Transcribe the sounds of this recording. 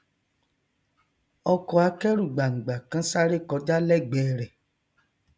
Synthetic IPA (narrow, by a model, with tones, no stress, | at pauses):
ɔ˧kɔ˧a˧kɛ˦ɾu˦˨ɡ͡ba˨ŋ̩˨ɡ͡ba˨kã˨˦sa˦ɾe˦˨kɔ˨˦da˦lɛ˦˨ɡ͡bɛː˨ɾɛ˨